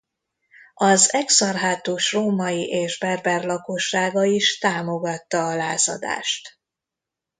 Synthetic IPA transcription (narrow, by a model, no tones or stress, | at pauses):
ɒzɛksɒrɦaːt̪uːʃroːmɒjiʔeːʒbɛrbɛrlɒko̞ʃːaːɡɒiʃt̪aːmo̞ɡɒt̪ːɒːlaːzɒ̰d̪a̰ːʃt̪